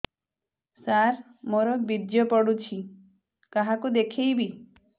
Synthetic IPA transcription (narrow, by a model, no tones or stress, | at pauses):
saɾ | moɾɔbid̪jɔpɔɽut͡ʃʰi | kaɦakud̪ekʰijbi